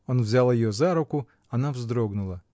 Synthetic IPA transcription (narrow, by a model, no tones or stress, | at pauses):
ɔnvzʲalˠɐjɪjɔzaɾʊkʊ | ɐnavzd̪ɾɔɡnʊlˠɐ